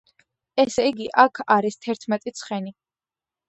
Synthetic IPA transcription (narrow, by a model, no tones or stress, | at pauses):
ɛsiɡiʔakʰaɾist̪ʰɛɾt̪ʰmɛt̪ʼit̪sʰχɛni